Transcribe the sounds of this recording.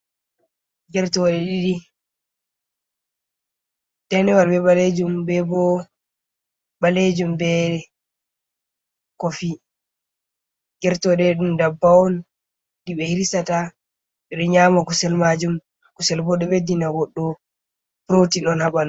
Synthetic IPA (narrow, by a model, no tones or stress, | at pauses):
ɡɛɾtɔɗɛɗiɗi | dɛnɛwalbɛɓaled͡ʒumbɛbɔ | ɓaled͡ʒumbɛ | kofi | ɡɛɾtɔɗɛɗumdabːawɔn | diɓɛhilisata | ɗɛɗɔɲamakusɛlmad͡ʒum | kusɛlbɔɗɔbedinaɡɔɗːɔ | pɾotiɗɔnhaban